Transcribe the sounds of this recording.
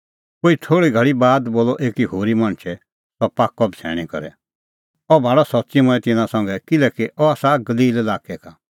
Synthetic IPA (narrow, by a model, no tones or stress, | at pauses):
koːit̪ʰoːɽiɡʱɐɭibaːd̪boːlɔʔeːkiɦoːɾimãɳ̃t͡ʃʰɛ | tɔpaːkːɔbsʰɛ̰ːɽ̃ikɐɾɛ̰ | ɔbʱaːɽɔsɔtːsimʊ̃ɛ̃t̪ɪnãsɔ̃ŋɡɛkɪlɛkiʔɔaːsaɡɐliːlelaːkɛka